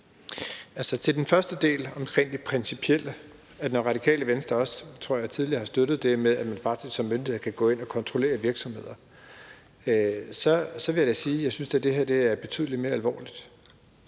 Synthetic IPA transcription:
ælsɒt͡sʰe̝ld̥enfɶɐsd̥əd̥e̝̰ːlɒ̽mkʰʁeŋ̰d̥ipʰʁinsipʰiel̰ə | ædnɒʁɑ̈ɾ̥ikʰɛ̰ːləʋensd̥ʁɐɒ̽st͡sʰʁo̝ɐ̰jɑ̈ɪt͡sʰiðˠliɐhɑsd̥ødɾ̥ð̩ˠd̥e̝meðˠæd̥mænfɑ̈ɡ̥d̥isɡ̥sɒ̽mːønd̥iheɐkʰæɡ̥ɔ̰ːe̝n̰ɒ̽kʰɒ̽nt͡sʰʁo̝le̝̰ːɐʋiɐɡ̥sɒ̽mhe̝ð̞̰ˠɐ | sɒ̽sɒʋe̝jadesiːjɑ̈ɪsynsd̥æd̥e̝heɐd̥e̝æɐb̥e̝t͡sʰy̰ðˠlidme̝ːɐælʋɒ̰ːlid̥

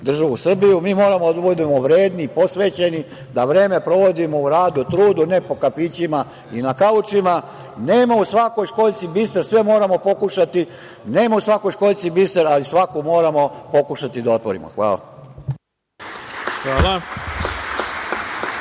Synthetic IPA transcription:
d̪r̩ʒaʋusr̩bijumiːmo̞ːɾamoad̪uʋod̪imoʋɾeːd̪nipo̞sʋe̞ːt͡ɕe̞ni | d̪aʋɾe̞ːme̞pɾo̞ʋo̞d̪imo̞uɾaːd̪ut̪ɾuːd̪une̞po̞kapit͡ɕima | inakaut͡ʃima | ne̞ːmausʋako̞jʃko̞lt̪sibiseɾsʋe̞mo̞ːɾamo̞po̞kuʃat̪i | ne̞ːmausʋako̞jʃko̞lt̪sibiseɾalisʋakomo̞ːɾamo̞po̞kuʃat̪id̪ao̞t̪ʋoɾḭmo̰xʋa̰ːla̰ | xʋaːla

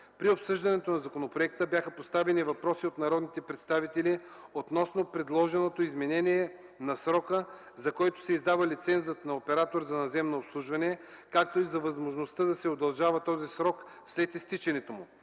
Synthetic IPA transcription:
pɾiopsɤʒd̪ɐnɛt̪onɐzɐkonopɾoɛk̚t̪əbʲjaxəpost̪avɛnivɐpɾɔsiot̪nɐɾɔd̪nit̪ɛpɾɛt̪st̪avit̪ɛli | ot̪nɔsnopɾɛd̪lˠɔʒɛnot̪oizmɛnɛniɛ | nɐsɾɔkə | zɐkɔjt̪o̥sɛizd̪avəlit̪sɛnzət̪nɐopɛɾat̪oɾzɐnɐzɛmnoːpslˠuʒvɐnɛ | kakt̪oizɐvɐzmoʒnost̪əd̪ɐsɛod̪ɐlˠʒavɐt̪ɔzisɾɔk | slɛt̪ist̪it͡ʃɛnɛt̪omʊ

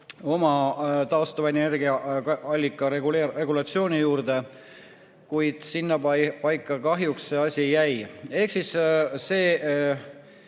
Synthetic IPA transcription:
o̞mɑt̪ɑost̪ɑvɑene̞rɡiɑɑlʲːikːˑɑeɡulee̞ɡ̥ulɑt̪sio̞ːnijuːɾd̪̥e̞ | kujd̪̥sinːɑppɑjkˑːɑkɑɦjuksse̞ɑsʲijæje̞hksisse̞ː

